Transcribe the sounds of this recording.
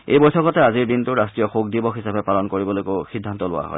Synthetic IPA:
ejbɔjsɔkɔtɛaziɹdintʊɹastɹijɔxok̚dibɔxɦisapɛpalɔnkoɹibɔlojkoxidʱːantɔlʊ̰wa̰ɦɔ̰j

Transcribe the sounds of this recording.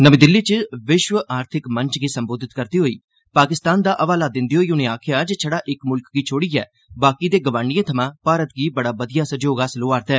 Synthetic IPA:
nəmĩːd̪ɪlːiːt͡ʃəʋɪʃʋəʔaːɾt̪ʰɪkməɲt͡ʃɡiːsəmboːd̪ɪt̪kəɾt̪iːɦoːiː | paːkɪst̪aːnd̪aːʔəʋaːlaːd̪ɪ̃nd̪iːɦoːiːʊnẽːaːkʰɪjaːd͡ʒeːt͡ʃʰəɽaːʔɪkmʊlkɡiːt͡ʃʰoːɽiːɛ̰ː | baːkid̪eːɡəʋãːɳijẽːt̪ʰəmãːpaːɾət̪ɡiːbəɽaːbəd̪ijaːsəd͡ʒoːɡaːsəloːaːɾt̪ɛː

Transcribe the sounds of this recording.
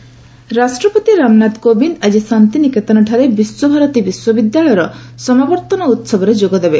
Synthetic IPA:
ɾasʈɾɔpɔt̪iɾamnat̪kobinad͡ʒisant̪iniket̪ɔnɔʈʰaɾebiswɔbʱaɾɔt̪ibiswɔbid̪jaɭɔjɔɾɔsɔmabɔɾt̪ɔnɔut̪sɔbɔɾed͡ʒoɡɔd̪ebe

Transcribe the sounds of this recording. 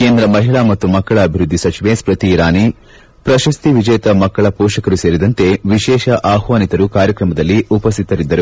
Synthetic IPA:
keːnd̪ɾɐmɐɦiɭaːmɐt̪ːumɐkːɐɭɐːbʱiɾud̪ʱːisɐt͡ʃiʋespɾɐt̪iːɾaːni | pɾɐʃɐst̪iʋid͡ʒɐjt̪ɐmɐkːɐɭɐpɔːʃɐkɐɾuseːɾid̪ɐnt̪e̞ʋiʃɛːʃɐʔaːɦʋaːnit̪ɐɾukaːɾjɐkɾɐmɐd̪ɐlːiupɐs̬t̪ʰit̪ɐɾid̪ːɐɾu

